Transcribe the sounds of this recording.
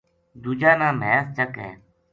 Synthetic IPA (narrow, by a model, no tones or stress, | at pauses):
d̪uːd͡ʒaːnãːmɛːst͡ʃəkɦɛ̰ː